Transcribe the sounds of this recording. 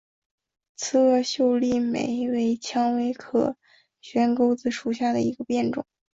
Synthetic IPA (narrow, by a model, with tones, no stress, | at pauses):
t͡sʰɹ̩˥˧ɤ˥˧ɕjo˥˧ʊli˥˩mḛ˨˩ɪwe˧˥ɪt͡ɕʰjɑ˥ŋwe˧˥ɪkʰɤ̰˨˩ | ɕɥɛ˧˥nko˥ʊt͡sɹ̩˧˩ʂu˨˩ɕja˥˩d̪ə˩i˧˥ɡə˧pjɛ˥˩nʈ͡ʂʊ̰˨˩˦ŋ